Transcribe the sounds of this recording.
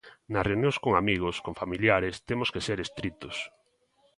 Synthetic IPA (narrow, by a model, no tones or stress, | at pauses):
nɐsreunjõŋskoŋamiɣ̞oskoŋfamiljaɾest̪emoskeseɾest̪ɾit̪ʊs